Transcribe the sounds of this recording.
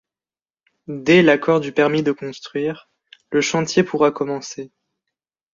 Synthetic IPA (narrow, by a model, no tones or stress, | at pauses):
d̪ɛlakɔʁd̪ypɛʁmid̪əkɔ̃st̪χɥiːʁ | ləʃɑ̃t̪jepuʁakɔmɑ̃se